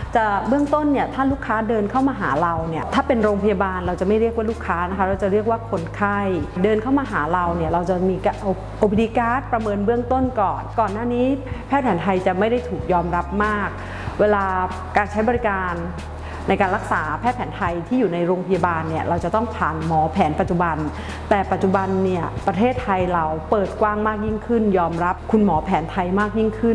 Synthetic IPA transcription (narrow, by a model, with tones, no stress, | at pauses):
t͡ɕa˨˩bɯ˥˩əŋt̪o˥˩nːi˥˩ɐt̪ʰaː˥˩luː˥˩kʰːaː˦˥dɤː˧nkʰa˥˩wmaː˧ɦaː˩˦ɾa˧wni˥˩ɐt̪ʰaː˥˩pe˧nɾoː˧ŋpʰa˧jaː˧baː˧nɾa˧wt͡ɕa˨˩ma˥˩jɾi˥˩ək̚waː˥luː˥˩kʰːaː˦˥na˦˥kʰa˦˥ɾa˧wt͡ɕa˨˩ɾi˥˩əkwaː˥˩kʰo˧nkʰa˥˩jdɤː˧nkʰa˥˩wmaː˧ɦaː˩˦ɾa˧wni˥˩ɐɾa˧wt͡ɕa˨˩miː˧ka˧ʔ | ʔoː˧pʰe˧di˧˥kaː˦˥˩t̪̚pɾa˧mɤː˧nbɯ˥˩əŋt̪o˥˩nkɔː˨˩nkɔː˨˩nːaː˥˩niː˦˥pʰɛː˥˩t̪̚ʰɛː˩˦nt̪ʰa˧jt͡ɕa˨˩ma˥˩jda˥˩jt̪ʰuː˨˩k̚jɔː˧mɾa˦˥p̚maː˥˩k̚ | weː˧laː˧ | kaː˧nt͡ɕʰa˦˥jbɔ˧ɾi˦˥kaː˧nː | a˧jkaː˧nɾa˦˥k̚saː˩˦pʰɛː˥˩t̪̚ʰɛː˩˦nt̪ʰa˧jt̪ʰiː˥˩juː˨˩na˧jɾoː˧ŋpʰa˧jaː˧baː˧nːi˥˩ɐɾa˧wt͡ɕa˨˩t̪ɔ˥˩ŋpʰaː˨˩nmɔː˩˦pʰɛː˩˦npa˨t̪̚t͡ɕu˨˩ba˧n | t̪ɛː˨˩pa˨˩t̪̚t͡ɕu˨˩ba˧nːi˥˩ɐpɾa˧t̪ʰeː˥˩t̪ʰa˧jɾa˧wpɤː˨˩t̪̚kwaː˥˩ŋmaː˥˩k̚ji˥˩ŋkʰɯ˥˩njɔː˧mɾa˦˥p̚kʰu˧nmɔː˩˦pʰɛː˩˦nt̪ʰa˧jmaː˥˩k̚ji˥˩ŋkʰɯ˥˩n